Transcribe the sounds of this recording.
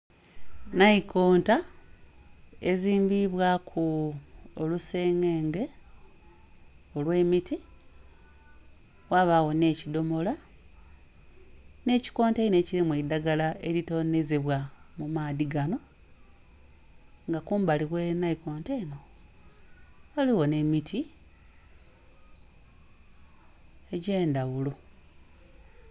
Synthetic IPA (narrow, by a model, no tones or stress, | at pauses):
naiko̞ːnta | e̞ziːmbiβwakʰu | oluse̞ːŋɡe̞ːŋɡe̞ | olwe̞ːmiti | waːβawo̞ne̞ːcido̞mo̞la | ne̞ːci̥ko̞ːntene̞ːcilimwidaɡalae̞ɾito̞nezeβwamumaːðiɡano̞ | ŋɡakuːmbaliɣwenaiko̞ːnteno̞ | waliɣo̞ne̞mitʰi | eɟe̞ːndawulu